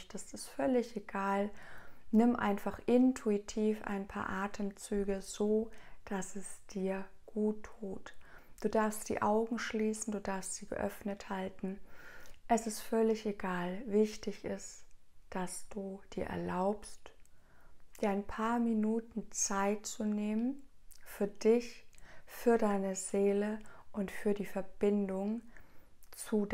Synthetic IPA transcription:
çtəstɪstfœlɪçeɡ̥aːlnɪmʔa̰ɪnfaχʔɪntʰuitʰiːfa̰ɪnpʰa̰ːɐʔaːtʰəmt͡syːɡəz̥oːd̥asɛsd̥iːɐɡ̥uːtʰːuːtd̥uːdaɐfstd̥ḭːʔaʊɡŋ̩ʃliːsn̩duːdaɐfstz̥iːɡə̰ʔœ̰fnəthaltn̩ | ʔɛsɪstfœlɪçeɡ̥aːlvɪçtɪçʔɪst | d̥asd̥uːd̥iːɐʔɛ̰ɐlaʊpst | d̥iːɐaɪnpʰaːɐminuːtn̩t͡saɪtt͡suneːmənfyːɐdɪçfyːɐdaɪnəz̥eːləʔʊntfyːɐdiːfɛɐb̥ɪndʊŋ | t͡sud

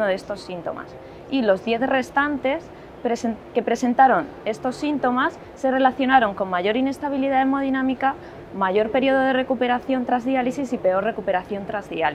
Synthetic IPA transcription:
oðe̞st̪o̞sːint̪o̞̰ma̰s | ilo̞zðje̞θre̞st̪ant̪e̞s | pɾeske̞pɾe̞se̞nt̪aɾo̞n | e̞st̪o̞sːint̪o̞masːe̞re̞laθjo̞naɾo̞ŋko̞ŋmaʝo̞ɾine̞st̪aβ̞iliðaðemo̞ð̞inãmika | maʝo̞ɾpe̞ɾjo̞ð̞o̞ðere̞kupe̞ɾaθjo̞nt̪ɾazðialisisipe̞o̞ɾre̞kupe̞ɾaθjo̞nt̪ɾazðial

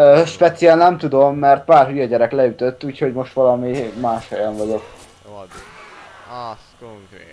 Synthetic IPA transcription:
øːʃpɛt̪sijɛlnɛmt̪ud̪o̞mːɛrt̪̚paːrhyjɒɟɛɾɛklɛyt̪øt̪ːuːcho̞ɟmo̞ʃt̪ʋɒlɒmimaːʃhɒjɒɱvɒɟo̞k

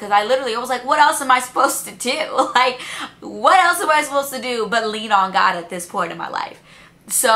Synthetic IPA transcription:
kʰʌzaɪlɪɾə˞l̩ˠiwʌzlaɪkwʌɾɛlˠsə̃maɪsə̥pʰoʊz̥tɨdʉlaɪk̚wʌɾɛlˠsəmaɪsəpoʊz̥tɨdɨbʌtˡlĩnə̃nɡɑ̰ɾɨt̪̚ðɪspʰɔ̃ɪ̃ɾtʌ̃vma̰ɪla̰ɪf | so

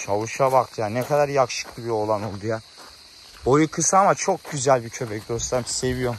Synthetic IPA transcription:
ʃʰavuʃabakt̪ʰjanɛkʰad̪aɾjakʃɯ̥klˠɯbio̞lˠanolˠd̪uja | ojukʰɯsaamat͡ʃʰo̞k̚ɟyzælʲbicʰø̞bɛc̚d̪o̞slˠaɾse̞vijo

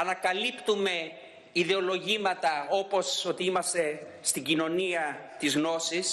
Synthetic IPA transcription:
ɐnɐkɐlipt̪ume̞ | iðe̞o̞lo̞ʝimɐt̪ɐo̞po̞so̞t̪iimɐst̪e̞ | st̪iɟino̞niɐt̪izɣno̞sis

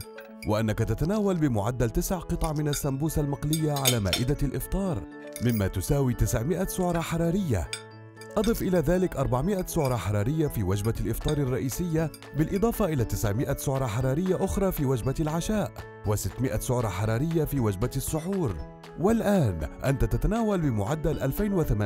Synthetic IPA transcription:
wɪʔanːakat̪at̪anaːwalbɪmʊʕad̪ːalt̪ɪsʕqɨt̪ˤʕmɪnasːambuːsalmɑqlɪjːaʕalaːma̰ːʔɪd̪alʔɪft̪ˤɑːɾˤ | mɪmːaːt̪ʊsaːwiːt̪ɪsʕmɪʔasʊʕɾˤɑħɑɾˤɑːɾɪjːa̰ | ʔɑd̪ˤɨfʔɪlaːðaːlɪkʔɑɾˤbaʕmɪʔasʊʕɾˤɑħɑɾˤɑːɾɪjːafiːwad͡ʒbalʔɪft̪ˤɑːɾˤɑrˤːɑʔiːsɪjːa | bɪlʔɨd̪ˤɑːfɑʔɪlaːt̪ɪsʕmɪʔasʊʕɾˤɑħɑɾˤɑːɾɪjːaʔʊxɾˤɑːfiːwad͡ʒbalʕaʃaːʔ | wasɪt̪ːmɪʔasʊʕɾˤɑħɑɾˤɑːɾɪjːafiːwad͡ʒbasːʊħuːɾ | walʔaːnʔant̪at̪at̪anaːwalbɪmʊʕad̪ːalʔalfajnwɪθamaː

